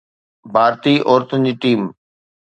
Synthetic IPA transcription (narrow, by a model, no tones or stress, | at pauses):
bʱaːɾt̪iːʔoːɾt̪ʊnd͡ʑiːʈiːm